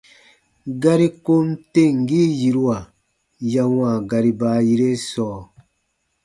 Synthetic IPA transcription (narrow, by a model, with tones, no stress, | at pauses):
ɡa˦ɾi˦ko˦n˦te˦˨ŋ̩˨ɡiː˦ji˨ɾu˦a˨ | ja˧wã˨ɡa˧ɾi˦baː˨˦ji˧ɾe˦sɔː˨˦˨